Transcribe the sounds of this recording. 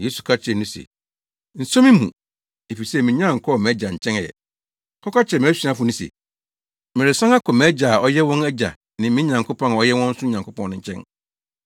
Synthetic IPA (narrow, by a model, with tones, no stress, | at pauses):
jeː˦su˨kʰa˦t͡ɕʰɪ˨ɛ˨nũ˦sɛ̰˨ | n̩˨sõ˦mĩ˦mṵ̃˨ | e˨fi˨sɛ˦˨mɪ̃˨ɲã˦˨ŋ̩˨kʰɔ˦˨mɛ̃˨˦d͡ʑa˨ɲ̩˨t͡ɕʰɛ̃˦ŋ˦jɛ̰˨ | kʰɔ˦ka˦t͡ɕʰɛ˨mɪ̃˨˦æ˦si˨˦ã˦fʊ˨˦nʊ̃˦sɛ̰˨ | mɪ̃˨ɾɪ˨sã˦ŋa˦kʰɔ˨mɛ̃˨ɛ˦d͡ʑa˨ɔ˦jɛ˦wɔ̃˦nɛ˦d͡ʑa̰˨ | nɪ̃˨m˦mĩ˦ɲã˨ŋkʰo˦pʰɔ̃˦nɔ˦jɛ˦wɔ̃˦n̩˦sʊ˦ɲã˨ŋkʰo˦pʰɔ̃˦nʊ̃˨ɲ̩˨˦t͡ɕʰɛ̰̃˦n